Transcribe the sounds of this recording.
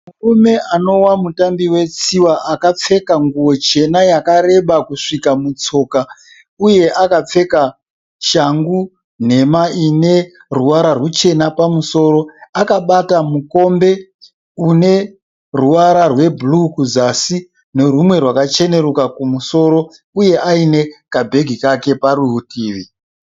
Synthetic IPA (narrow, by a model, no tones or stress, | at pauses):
murume̞ano̞wamutambiwe̞t͡siwaʔakap͡fe̞kaŋɡuwo̞t͡ʃe̞najakaɾe̞ɓakuʂikamut͡so̞ːka | uje̞ʔakap͡fe̞ka | ʃaŋɡu | n̤e̞maine̞ | ruʋaɾarwut͡ʃe̞napamuso̞ɾo̞akaɓatamuko̞mbe̞ | une̞ | ruwaɾarwe̞blukuzasi | ne̞rumwe̞rwakat͡ʃe̞ne̞ɾukakumuso̞ɾo̞ | uje̞ʔaine̞kabʱe̞ɡʱikake̞paɾuɦutiːʋi